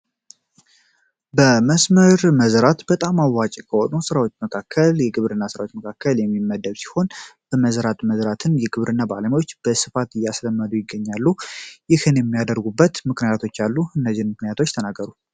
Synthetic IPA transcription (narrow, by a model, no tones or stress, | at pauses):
bəməsməɾməzɾat̪bət̪ʼamawːat͡ʃʼkʰəhonusɨɾawot͡ʃːməkʰakʰːəljɛɡɨβɾɨnːasɨɾawot͡ʃːməkʰakʰːəljɛmːimːəd̪ːəbsi̥ho̞nb̥əməzɾat̪ʼməzɾat̪ʰɨnjɛɡɨβɾʔɨnːabaləmwot͡ʃːb̥əsɨfat̪ɨjːasləmːəd̪ujɪɡːəɲːalːujɪhɨnjɛmːijad̪əɾɡubːət̪mɨknɨjat̪ʰo̞t͡ʃːalːuɨnːəzɪnmɨknijat̪ʰo̞t͡ʃːt̪ʰənaɡːəɾu